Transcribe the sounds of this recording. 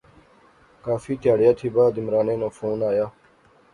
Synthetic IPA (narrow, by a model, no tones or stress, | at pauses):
kaːfiːt̪ɪjaːɽjaːt̪ʰiːbaːd̪ɪmɾaːnẽːnõːfoːnaːjaː